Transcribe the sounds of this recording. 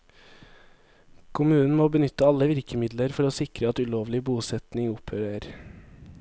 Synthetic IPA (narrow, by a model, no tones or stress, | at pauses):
kʰʊmʉːnn̩moːbənʏt̪əɑləʋɪɾkəmɪd̪ləɾfɔɾoːsɪkɾəɑt̪ʉloːʋlɪbuːsɛt̪nɪŋʊpʰhøːɾəɾ